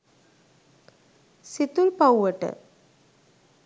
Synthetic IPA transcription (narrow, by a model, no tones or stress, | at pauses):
sit̪ulpawʋəʈə̰